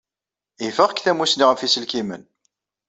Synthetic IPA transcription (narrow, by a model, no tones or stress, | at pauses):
ifəʁkθæmusniʁəfisəlkimə̰n